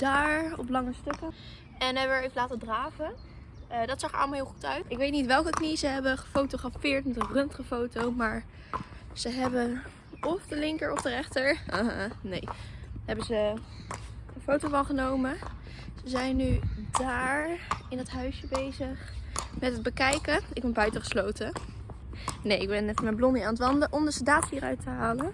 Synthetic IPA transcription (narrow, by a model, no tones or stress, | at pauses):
d̥aːɹɔplɑŋəstɵkə | ɛnɦɛbəəɹejvəlaːtədraːvə | ədɑtsɑχə̰ʔɑləmalˠɦɪːlˠχutœɥtɪkʋejtnitʋɛlˠkəknizəɦɛbəχəfowtoχrafɪːɹtmɛtənrɵntəχəfowtowmaːɹ | z̥əɦɛbən | ɔfdəlɪŋkəɹɔfdərɛχtəɹa̰ɦa̰nḛjɦɛbənzə | əfowtowvɑlˠχənowmə | z̥əzɛjnːydaːɹɪndɑtɦœɥsjəbejzəχmɛtɦəd̚bəkɛjkəɪɡ̚bɛnbœɥtəχə̥slowtə | nejɪɡ̚bɛnɛfmɛnblɔniaːnətʋɑndəʔɔmdəsədaːthiːrœ̰ɥtəɦaːlə